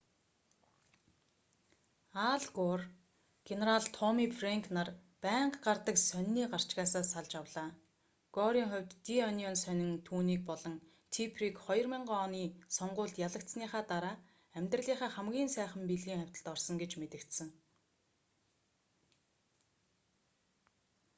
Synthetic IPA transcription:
aɮɡor | ɡ̥eneɾaɮt̪ʰɔmiːfreŋkʰnar | pæːɴqɢart̪ə̆ksœnːiːɢar̥t͡ɕɡaːsaːsaɮt͡ɕawɮaː | ɡ̥ɔɾiːŋχʊ̟wʲt̪ːiɔniɔnsœnʲɪ̆ŋt̪ʰuːniːk̚pɔɮɞ̆ŋ | t̪ʰipʰriːkχɔjɞ̆rmɪɴɢɔːniːsɔɴɢʊːɮt̪jaɮə̆k̚t̪sniːχaːt̪aɾaː | æmʲt̪rə̆ɮiːχaːχæmɡʲiːnsæːχə̆mpiɮɣiːŋχæwʲt̪ə̆ɮ̥t̪ɔrsɞ̆ŋɡet͡ɕmet̪ɘ̆kt̪sɘ̆ŋ

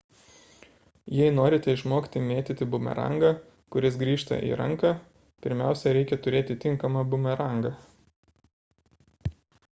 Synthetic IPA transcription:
jɛɪnoːɾʲɪt̪ʲɛɪʃmoːkʲt̪ʲɪmʲeːt̪ʲɪt̪ʲɪbʊmʲɛ̰ɾɐ̰ŋɡɐ | kʊɾʲɪsɡɾʲiːʃt̪ɐ̰ʔḭːɾɐŋkɑ | pʲɪɾʲmʲæˑʊsʲɛɾʲɛɪkʲɛt̪ʊɾʲeːt̪ʲɪt̪ʲɪŋˑkɐmɐbʊmʲɛɾɐˑŋɡɐ

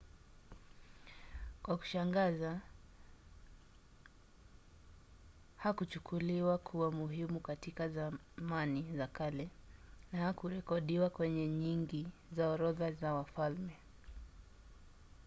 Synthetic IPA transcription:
kwaku̥ʃaŋɡaza | hakut͡ʃukʰuliwakʰuwamuɦimukatikaza | manizakalɛnahakuɾɛkɔɗiwakwɛɲɛɲiŋɡizaɔɾɔðazawafalmɛ

